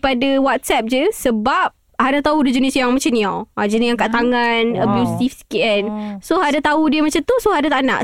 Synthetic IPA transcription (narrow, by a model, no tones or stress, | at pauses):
padawat̪̚sɛp̚d͡ʒəsəbap̚ | hadat̪audud͡ʒənisjaŋmat͡ʃanĩaʔad͡ʒənijaŋkaʔt̪aŋanəbjust̪ifskiənsohadat̪audiəmat͡ʃamt̪usohadat̪aʔna̰ʔ